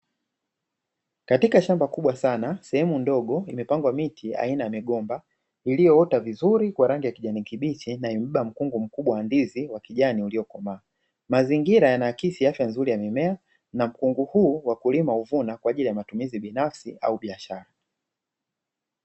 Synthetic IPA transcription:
katikaʃambakuɓwasanasɛhɛmundɔɠɔimɛpaŋɡwamitʰia̰inajamiɠɔmba | ilijɔɔtavizuɾikwaɾaŋɡijakiʄanikiɓit͡ʃinaiɛm̩ɓam̩kuŋɡum̩kuɓwawandiziwakiʄaniuliɔkɔmaː | maziŋɡiɾajanaːkisiafjanzuɾijamimɛa | nam̩kuŋɡuhuːwakulimauvunakwaʄilijamatumiziɓinafsia̰uɓiaʃaɾa

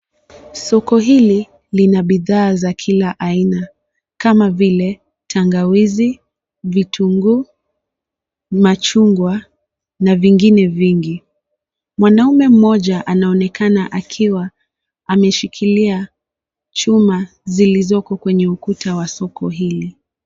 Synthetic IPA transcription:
sɔkɔɦili | linaɓiðaːzakʰilaʔaina | kamavilɛ | tʰaŋɡawizi | vitʰuŋɡu | mat͡ʃuŋɡwa | naviŋɡinɛviŋɡi | mwanaumɛm̩mɔʄaʔanaɔnɛkʰanaʔakʰiwa | amɛʃikʰilia | t͡ʃuma | zilizɔkɔkwɛɲɛukutʰawasɔkʰɔɦili

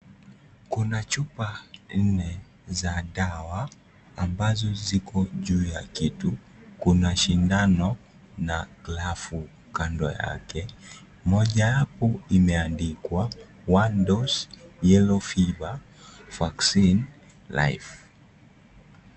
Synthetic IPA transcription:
kunat͡ʃupan̩nɛ | zaɗawaː | mbazɔzikɔʄuːjakitu | kunaʃindanɔ | naɡlafu | kandɔ̰ja̰kɛ | mɔʄajapɔimɛandikwa | wandɔsjɛlɔfiva | faksin | la̰jf

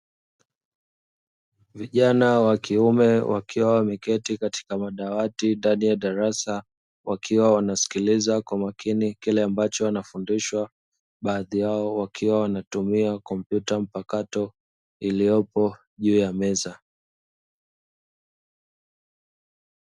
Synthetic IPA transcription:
viʄanawakiumɛwʔakʰiwawamɛkɛtikati̥kamaɗawatindanijaɗaɾasa | wakʰiwawanasi̥kilizakwamakʰinikilɛambat͡ʃɔwanafundiʃwa | ɓaːðijaɔwakʰiwawanatumiakɔm̩pjutam̩pakatɔ | ilijɔpɔ | ʄuːjamɛza

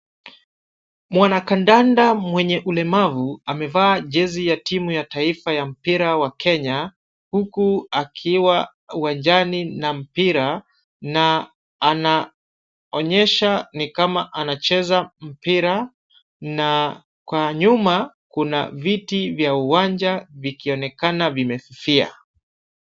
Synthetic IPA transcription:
mwanakandandamwɛɲɛʔulɛmavuamɛvaːʄɛzijatimujataifajam̩piɾawakɛɲa | hukuakʰiwa | uwand͡ʒaninam̩piɾa | naː | na | ɔɲɛʃanikamaʔanat͡ʃɛzam̩piɾa | na | kwaɲuma | kuna̰vitivjauwaɲd͡ʒavikiɔnɛkanavimɛfifia̰

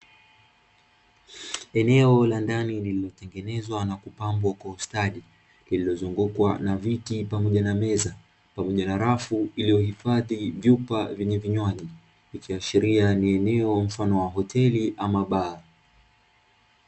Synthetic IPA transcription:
ɛnɛɔlandanilililɔtɛŋɡɛnɛzwanakupambwakwaustaɗi | lililɔzuŋɡukwa̰navitipamɔʄanamɛza | pamɔʄanaɾafuilijɔhifaðivjupavɛɲɛviɲwaʄi | ikiaʃiɾianiɛnɛɔm̩fanɔwaɦɔtʰɛliʔamaɓaː

